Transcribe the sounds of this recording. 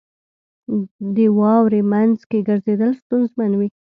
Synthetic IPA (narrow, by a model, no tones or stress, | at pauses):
d̪əwɑwɾemanzkeɡəɾzed̪əlst̪unzmanwi